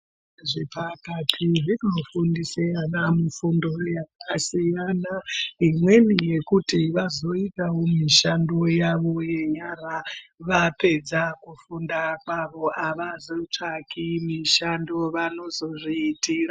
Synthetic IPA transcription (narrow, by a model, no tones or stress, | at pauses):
ʐipʰakatʰiʐinofundisianamufundojakasijanaimwe̞nije̞kutiʋazo̞itawomiʃandojaʋo̞je̞ɲaɾaʋape̞d͡zakufundakaʋoʔaʋazot͡ʂakimiʃandoʋano̞zo̞ʐiːtiːɺa